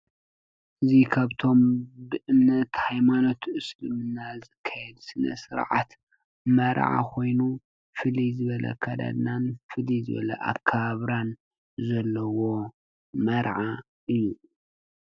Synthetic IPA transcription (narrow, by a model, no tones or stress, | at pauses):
ʔɨzikʰaβt̪ʰo̞mbɨʔɨnːɐt̪hajmano̞t̪ʰʔɨslɨmɨnːazɨkʰːajɛd̪sɨnɐ̰sɨɾʕa̰t̪ | mɐɾʕa̰kʰo̞jnu | fɨlizɨβɐlɐ̰kʰɐd̪a̰d̪nanfɨlizɨβɐ̰lɐ̰ʔa̰βkʰɐβaβɾan | zɐlːɐwo̞ | mɐɾʕa | ɨjːu